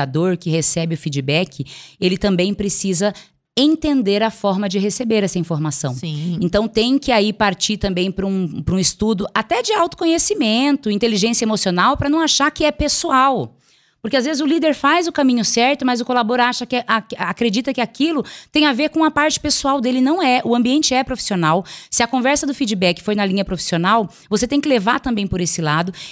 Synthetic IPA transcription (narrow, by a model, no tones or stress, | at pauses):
ad̪oɾkɪhesɛbɪʊfid͡ʒibɛkʰɪelɪt̪ɐ̃mbẽj̃pɾesizɐ | ẽnt̪ẽnd̪eɾɐfɔɾmɐd͡ʒɪɦesebeɾɛsɐĩfoɾmasɐ̃w̃sĩẽnt̪ɐ̃w̃t̪ẽj̃kɪaipaɾt͡ʃit̪ɐ̃mbẽj̃pɾũpɾũɪst̪ud̪ʊʔat̪ɛd͡ʒɪawt̪ʊ̥kõɲesimẽnt̪ʊĩnt̪eliʒẽsjɐemosionawpɾɐnɐ̃w̃aʃakɪɛpesuaw | poʊɾkɪazvezɪzʊlid̪eɾfajzʊkamĩɲʊsɛɾt̪ʊmɐzʊkolaboɾaʃɐkɪʔaakɾed͡ʒit̪ɐkɪakilʊt̪ẽj̃aveɾkõɐpaɾt͡ʃɪ̥pesuawd̪elɪnɐ̃w̃ɛʔʊɐ̃mbiẽnt͡ʃɪɛpɾofi̥sionawsɪɐkõvɛɾsɐd̪ʊfid͡ʒɪbɛkɪ̥fojnɐlĩɲɐpɾofi̥sionaw | voset̪ẽj̃kɪlevaɾt̪ɐ̃mbẽj̃poɾesɪlad̪ʊ